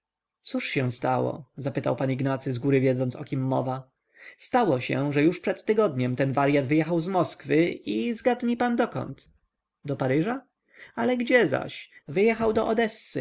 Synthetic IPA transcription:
t̪suʂɕɛw̃st̪awɔ̰zapɘt̪awpaniɡnat̪sɘzɡuɾɘvʲjɛd̪zɔnt̪sɔ̰kʲimːɔ̰va | st̪awɔɕɛ̰ʐɛjuʂpʂɛt̪ːɘɡɔd̪ɲɛmt̪ɛnvaɾjad̪vɘjɛxawzmɔskfɘizɡad̪ɲipand̪ɔkɔ̰nt̪ | d̪ɔpaɾɘʐa | alɛɡd͡ʑɛza̰ɕvɘjɛxawd̪ɔʔɔd̪ɛsːɘ̰

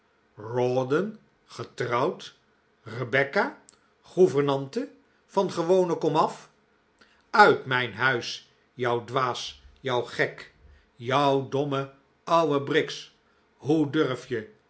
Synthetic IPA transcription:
rɔdən | χətrɑwt | rəbɛka | χuvəɹnɑntə | v̥ɑnχəʋownəkɔmɑf | œɥtmɛjnɦœɥs | jɒwdʋaːsjɔwχɛk | jʌwdɔmə | ʌwəbrɪks | ɦudɵɹfjə

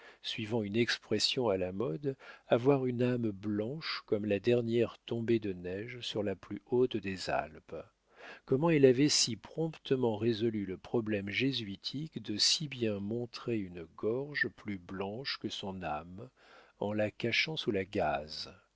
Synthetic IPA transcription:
sɥivɑ̃ynɛkspχɛsjɔ̃alamɔd̪avwaʁynamblɑ̃ʃkɔmlad̪ɛʁnjɛʁt̪ɔ̃bed̪ənɛʒsyʁlaplyot̪d̪eza̰lp | kɔmɑ̃ilavɛsipχɔ̃pt̪əmɑ̃ʁezɔlyləpχɔblɛmʒezɥit̪ʰikd̪əsibjɛ̃mɔ̃t̪χeynɡɔʁʒplyblɑ̃ʃkəsɔ̃nam | ɑ̰̃lakaʃɑ̃sulaɡaz

